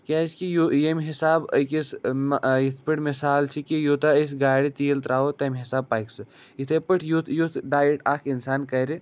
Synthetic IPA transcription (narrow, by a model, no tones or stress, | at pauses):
kʲaːskijujemɦisaːbəkis | it̪ʰpɨʈʰmisaːlt͡ʃʰikijot̪as̬ɡaːɽit̪iːlt̪ɾaːot̪ɐmɦisaːb̚paːjksɨ | it̪ʰepɨʈʰjut̪ʰjut̪ʰɖaːjiʈaːkʰinsaːnkɐɾi